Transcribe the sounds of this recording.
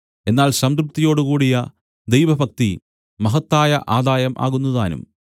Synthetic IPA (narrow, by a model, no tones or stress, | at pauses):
e̞nːaːlɕɐmkɾup̚t̪ːijo̞ːɽukuːɽijɐ | d̪e̞jʋɐbʱɐk̚t̪i | mɐɦɐt̪ːaːjɐʔaːd̪aːjɐmʔa̰ːɣunːɐðaːnṵm